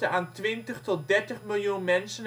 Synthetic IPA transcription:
əaːntʋɪntəχtɔt̚dɛɹtəχmɪlˠjunmɛnsən

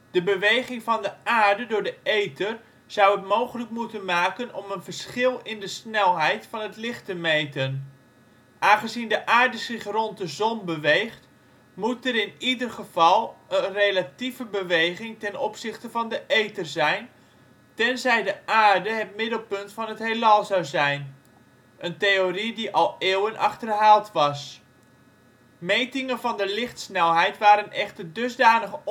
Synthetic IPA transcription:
d̥əbəʋejχɪŋvɑndəaːɹdədʊːɹdəʔejtər | z̥ʌwətmowχələkmutənmaːkənɔmənvəɹsχɪlˠɪndəsnɛlˠɦɛjtfɑnətlɪχtəmejtən | ʔaːnχəzindəʔaːɹdəzɪχrɔnt̚dəzɔnbəʋejχt | mutəɾɪnidərχəv̥ɑlˠənrejlativəbəʋejχɪŋtɛnɔpsɪχtəvɑndəʔejtərzɛjn | tɛnzɛjdəʔaːrdəɦətmɪdəl̩ˠpɵntfɑnətɦelalˠzɑwzɛjn | ʔəntejoridiʔɑlˠeːwənʔɑ̰χtərɦaːlˠtʋɑs | mejtɪŋənvɑndəlɪχtsnɛlˠɦɛjtʋaːɾənɛχtərdɵzdaːnəχə

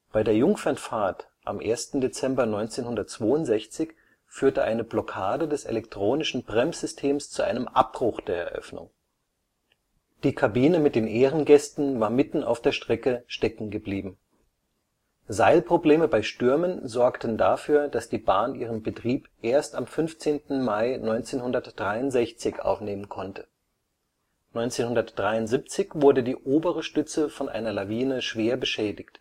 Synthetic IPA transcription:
b̥aɪdeːɐjʊŋfɛnfaɐt | ʔa̰mʔḛːɐstn̩det͡sɛmbɐnɔʏnt͡seːnhʊndɐt̚t͡sv̥oːʊntz̥ɛçt͡sɪç | fyːɐtəʔaɪnəblɔkʰaːdədɛsḛlɛktʁ̥oːnɪʃn̩bʁɛmz̥ʏstʰeːmst͡suʔa̰ɪnəmʔa̰p̚b̥ʁ̥ʊxd̥eːɐɛ̰ɐʔœ̰fnʊ̰ŋ | d̥iːkʰabiːnəmɪt̚d̥eːnʔeːʁənɡɛstn̩vaːɐmɪtn̩a̰ʊfd̥eːɐʃtʁ̥ɛkəʃtɛkŋ̩ɡəbliːbm̩ | zaɪlpʁ̥obleːməbaɪʃtʏɐmənzɔɐktən̩dafyːɐd̥asd̥iːbaːnʔiːʁənbətʁ̥iːpʔeːɐstamfʏnft͡seːntn̩maɪnɔʏnt͡seːnhʊndɐtd̥ʁaɪʊntz̥ɛçt͡sɪçʔa̰ʊfneːmənkʰɔntʰə̥ | nɔʏnt͡seːnhʊndɐtd̥ʁaɪʊntz̥iːp̚t͡sɪçv̥ʊɐdədiːʔoːbəʁəʃtʏt͡səfɔnʔa̰ɪnɐlaviːnəʃv̥eːɐbəʃɛːdɪçt

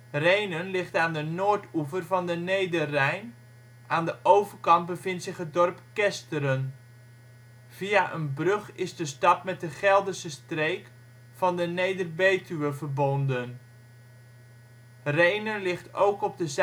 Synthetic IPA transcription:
rejnənlɪχtaːndənoːɹtuvərvɑndənejdərɛjn | ʔaːndəʔowvərkɑntbəvɪntsɪχɦət̚dɔrpkɛstəɾən | v̥iaʔənbrɵχɪzdəstɑpmɛt̚dəχɛlˠdəsəstrejk | fɑndənejdərbejtyəvərbɔndən | rejnənlɪχtowkɔb̚dəz

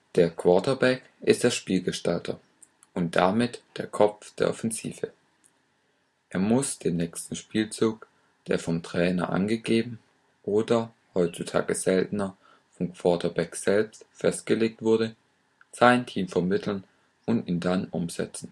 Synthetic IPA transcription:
d̥eːɐkʰv̥ɔɐtɐbɛk | ʔɪstd̥eːɐʃpiːlɡəʃtaltʰɐ̰ | ʔʊnt̚d̥amɪtd̥eːɐkʰɔpp͡fd̥eːɐʔɔfɛnzḭːvə | ʔeːɐmʊsd̥eːnːɛːkstn̩ʃpiːlt͡suːk | d̥ḛːɐfɔmtʁ̥ɛːnɐ̰ʔa̰nɡəɡeːbm̩ | ʔoːdɐ | hɔʏtt͡sutʰa̰ːɡəz̥ɛltn̩ɐ | fɔmkʰv̥ɔɐtʰɐbɛkz̥ɛlpstfɛst̚ɡ̥əleːk̚tv̥ʊɐdə | z̥aɪntʰiːmfɛɐmɪtʰl̩n | ʔʊntiːndanʔʊmz̥ɛ̰t͡sn̩

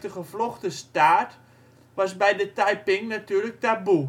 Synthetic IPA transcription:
təχəfloχtəstaːt | ʋɑs̬bɛjdətajpɪŋnatyːlək̚tabu

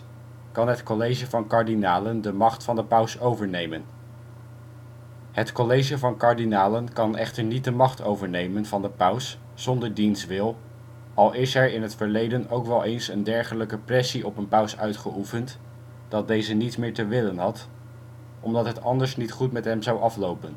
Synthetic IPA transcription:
kɑnɦətkolejʒəvɑnkɑɹdinaːləndəmɑχtfɑndəpʌwsowvəɹnejmən | hətkolejʒəvɑnkaɹdinaːlənkɑnɛχtəɹnit̚dəmɑχtowvəɹnejmənvɑndəpʌws | z̥ɔndəɹdinstʋɪlˠ | ɑlˠɪsɛɹɪnɦətfəɹlejdənowkʋɛlˠejnsəndɛɹχələkəprɛsiʔɔpənpœwsœɥtχəʔufənt | d̥ɑt̚dejzənitsmɪːɹtəʋɪlənɦɑt | ɔmdɑtɦətɑndəɹsnitχutmɛtɦɛmzawʔɑflowpən

